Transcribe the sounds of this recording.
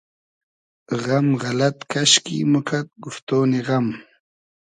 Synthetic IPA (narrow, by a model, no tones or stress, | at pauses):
ɣamʁalat̪kaʃkḭmukʰat̪̚ɡʊft̪oːniɣam